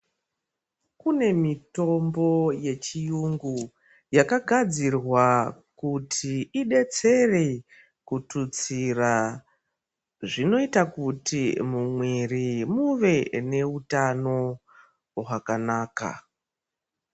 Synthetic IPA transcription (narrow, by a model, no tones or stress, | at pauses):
kune̞mito̞mbo̞je̞t͡ʃijuŋɡu | jakaɡʱad͡zirwa | kutʰiːɗe̞t͡se̞re | kutut͡sira | ʐino̞itakutimumwirimuʋe̞ne̞utano̞ | ɦakanaːka̰